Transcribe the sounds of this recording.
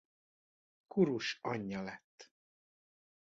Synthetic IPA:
kuɾuʃɒɲːɒlɛt̪ː

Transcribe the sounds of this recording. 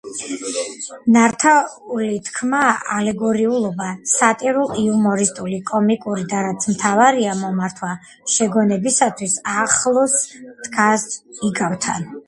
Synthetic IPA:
naɾt̪ʰaulit̪ʰkʰmaalɛɡɔɾiulˠɔbasat̪ʼiɾulˠiumɔɾist̪ʼulikʼɔmikʼuɾid̪aɾat̪sʰmt̪ʰavaɾiamɔmaɾt̪ʰwa | ʃɛɡɔnɛbisat̪ʰwisaχlˠɔsd̪̥ɡasiɡavt̪ʰa̰n

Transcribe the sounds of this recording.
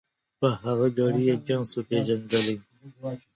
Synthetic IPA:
pəɦaɣad͡ʒɑɽijed͡ʒansopeʒand̪əli

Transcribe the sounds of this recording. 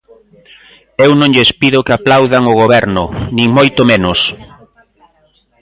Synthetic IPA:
ewnõŋʎespiðʊkaplawðaŋʊɣoβɛɾnʊnĩŋmojt̪ʊmenʊs

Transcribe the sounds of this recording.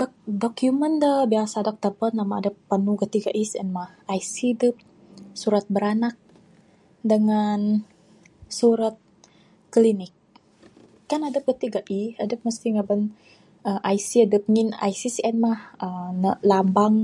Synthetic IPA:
dk̚dokjumənd̪əbiasadɔk̚t̪əbənamaadəpːənuɡət̪iɡaʔisɛnmahʔajsidəp̚ | suɾat̪̚bəɾanak̚ | dəŋan | suɾat̪̚ | klinɪk̚ː | anadəp̚ɡət̪iɡaʔiadəp̚məst̪iŋabən | əʔajsiadəp̚ŋina̰jsisɛnmahənəlambaŋ

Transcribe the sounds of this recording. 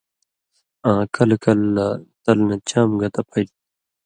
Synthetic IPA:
ãːkɐlkɐlːat̪ɐlnɐt͡ɕaːmɡɐt̪ɐpʰɐiʈ̪̚

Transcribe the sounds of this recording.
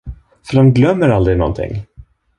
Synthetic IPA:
fœɾanɡlœmːəɾald̪ɾɪnɔ̰nt̪ʰɪ̰ŋː

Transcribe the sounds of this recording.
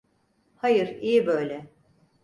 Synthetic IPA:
hajɯɾijibøjlʲɛ

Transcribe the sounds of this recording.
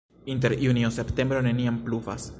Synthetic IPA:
int̬e̞ɾjuniose̞pte̞mbɾo̞ne̞niampluva̰s

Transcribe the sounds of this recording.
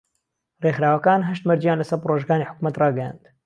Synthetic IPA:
reːxɾaːwɐkaːnɦɐʃt̪mɐɾd͡ʒijaːnlɐsɐɾproːʒɡaːniħʊ̥kumɐt̪rɑːɡɐjã̰nd̪

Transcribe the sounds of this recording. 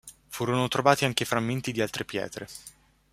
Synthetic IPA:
fuːɾonot̪ɾovaːt̪iaŋk̟efɾamːent̪id̪ialt̪ɾepjɛ̰ːt̪ɾe

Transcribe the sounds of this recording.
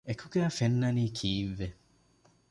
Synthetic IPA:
ekʰukeafenːɐnikʰiːʋːe

